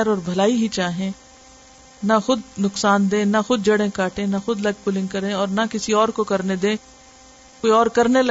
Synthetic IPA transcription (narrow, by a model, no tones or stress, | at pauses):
ɾɔːɾbʱɐlaːiɦit͡ʃaːɦẽ | naxʊd̪nʊksaːnd̪ẽːnaxʊd̪̚d͡ʒɐɽẽkaːʈẽnaxʊd̪lɐɡ̚pʊlɪ̃ŋɡ̚kɐɾẽɔːɾnɐkɪsiɔːɾkokɐɾned̪ẽː | koːiɔːɾkɐɾnelɐ